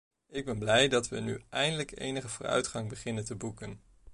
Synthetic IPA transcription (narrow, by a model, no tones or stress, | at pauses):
ɪɡ̚bɛnblɛjdɑtʋənyɛjndələkḛjnəχəvʊːrœ̰ɥtχɑŋbəχɪnəntəbukən